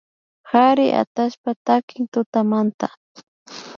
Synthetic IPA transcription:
haɾɪʔa̰t̪aʃpat̪akɪŋt̪ʊt̪amant̪a

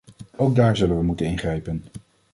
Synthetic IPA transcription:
owɡ̚daːɹzɵlənʋəmutənɪnχrɛjpən

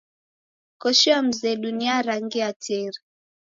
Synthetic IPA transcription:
kɔʃiam̩zɛɗuniaɾaŋɡiatʰɛɾi

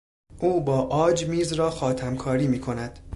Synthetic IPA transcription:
ʔuːbɒːʔɒːd͡ʒmiːzɾɒːxɒːt̪ʰæmkʰɒːɾiːmiːkʰo̞næd̪̥

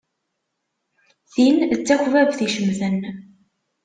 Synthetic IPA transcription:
θint͡sːækʷvævθiʃəmðən

